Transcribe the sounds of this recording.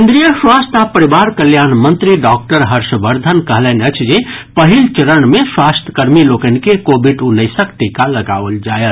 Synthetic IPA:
end̪ɾijəswast̪ʰapəɾibaɾkəljanmənt̪ɾiɖɔk̚ʈəɾɦəɾʃəbəɾd̪ʱənkəɦlənət͡ʃʰd͡ʒepəɦilt͡ʃəɾənmeswast̪ʰə̥kəɾmilokənikekobiɖunəjsəkt̪ikaləɡa̰ʋəld͡ʒajəl

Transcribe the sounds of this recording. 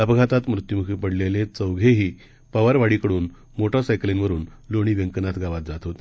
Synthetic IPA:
əpɡʱat̪at̪mɾut̪jumukʰipəɽlelet͡səwɡʱeɦiː | pəʋəɾʋaɽikəɽuːn | moʈəɾsajklenʋəɾuːnloɽ̃iːʋeŋkənat̪ɡaʋat̪̚d͡zat̪ɦot̪e

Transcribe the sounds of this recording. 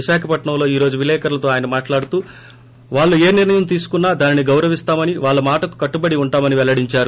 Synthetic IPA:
iʃaːkʰɐpɐʈɳɐ̃mlo̞ːiːɾo̞ːd͡ʒuʋilɛːkɐɾlɐt̪o̞ːaːjɐnɐmaːʈlaːɽut̪uː | ʋaːɭːue̞ːniɾɳɐjɐmt̪iːsu̥kunːaːd̪aːniniɡɐwɾɐʋist̪aːmɐniʋaːɭːɐmaːʈɐku̥kɐʈːubɐɽiuɳʈaːmɐniʋɛlɐɽiɲt͡ʃaːɾu

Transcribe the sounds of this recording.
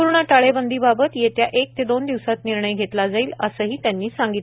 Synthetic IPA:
uɾɳaʈaɭebənd̪ʱiːbabət̪jet̪jaʔek̚t̪ed̪ond̪iʋsat̪niɾɳəjɡʱet̪lad͡zaiːləsəːɦiːt̪janːiːsaŋɡit̪

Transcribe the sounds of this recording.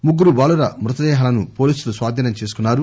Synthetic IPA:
muɡːuɾubaːɭuɾɐmɾut̪ɐd̪ɛːɦɐlɐnupo̞ːliːsulusʋaːd̪ʱiːnɐmt͡ʃeːs̬u̥kunːaːɾu

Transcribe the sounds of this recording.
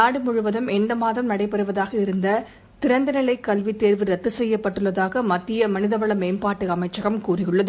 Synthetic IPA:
naːɽɯmʊɻʊʋɐðɯmɛndɐmaːðɐmnɐɽɐɪpːɛɾɯʋɐðaːɣɐɪɾɯnd̪ɐ | t̪ɪɾɐnd̪ɐnɐlɐɪkːɐlʋit̪ːeːɾʋɯɾɐt̪ːɯsɛjːɐpːɐʈːɯɭːɐðaːɣɐmɐt̪ːɪjɐmɐnɪðɐʋɐɭɐmeːmpaːʈːɯɐmɐɪt͡ʃːɐɣɐmkuːrɪjɯɭːɐðɯ

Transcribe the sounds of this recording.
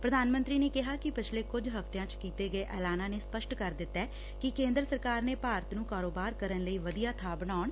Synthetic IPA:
pɾəd̪aːnmənt̪ɾiːneːkɪɦaːkɪpɪt͡ʃʰleːkʊd͡ʒɦəft̪ejãːt͡ʃkiːt̪eːɡəeːʔɛːlaːnãːneːspəʃʈkəɾd̪ɪt̪ːɛː | kɪkẽːnd̪ɾəsəɾkaːɾneːpaːɾət̪nũːkaːɾoːbaːɾkəɾənləiːʋəd̪ijaːt̪ʰaːbənaːɳ

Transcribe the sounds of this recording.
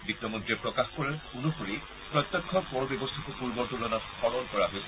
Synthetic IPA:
bitːɔmɔndɹiɛpɹɔkaxkɔɹaɹunupuɹi | pɹɔt̪ːɔkʰːɔpɔɹbjɛbɔstʰakupuɹbɔɹtulɔnatxʰɔɹɔnkɔɹaɦojsɛ̥

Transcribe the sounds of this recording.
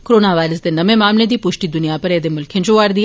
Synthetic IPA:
koɾoːnaʋaːɪɾəsd̪enɐmemaːmled̪iːpʊʃʈid̪ʊnijapɐɾɛːd̪emʊlkʰjẽnt͡ʃoaːɾd̪ia

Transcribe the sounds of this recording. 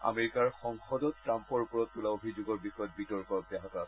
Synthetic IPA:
a̰meɹikaɹxɔŋxɔdɔttːɹampɔɹpɔɹɔttulaobʱizoɡɔɹbixɔjɔt̚bitɔɹkɔɔk̚dɛɦakɔɹa

